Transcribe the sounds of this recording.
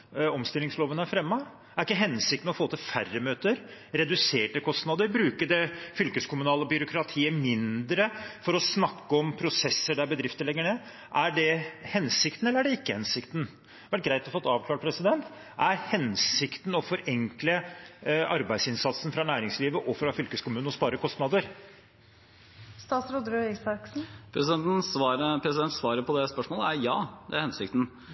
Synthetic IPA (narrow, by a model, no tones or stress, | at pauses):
ɔmst̪ɪlːɪŋsloːʋənæɾfɾɛmːə | æɾɪkːəɦɛnsɪkt̪n̩ɔfoːt̪ɪlfærːəmøːt̪əɾ | ɾɛd̪ʉseːʈəkʰɔst̪nɑd̪əɾbɾʉːkəɖɛfʏlkəskʰʊmʉnɑːləɔbʏɾʊkʰɾɑt̪ʰiːəmɪnd̪ɾəfɔɾɔsnɑkːəɔmpʰɾʊsɛsːəɖæɾbəd̪ɾɪft̪əɾɭɛɡːəɳeː | ʔæɖɛhɛnsɪkt̪n̩ɛlːəæɖɛɪkːəhɛnsɪkt̪n̩ | ʋæʈ̚ɡɾæɪt̪ɔfɔt̪ːɑːʋklɑːʈ̚pʰɾɛsɪd̪ɛnt̪ | ʔæɾhɛnsɪkt̪n̩ɔfɔɾɛŋklə | ɑɾbæɪd̪sɪnsɑt̪sn̩fɾɑnæːɾɪŋsliːʋəʔɔfɾɑfʏlkəskʊmʉːnɔspɑːɾəkʰɔst̪nɑd̪əɾ | st̪ɑːt̪sɾud̪ɾøɛsɑksn̩pʰɾɛn̩ɑɾəpʰɾɛsɪd̪ɛnt̪sʋɑːɾəpʰɔd̪ɛspœʂmoːləæɾjɑːd̪ɛæɾhɛnsɪkt̪n̩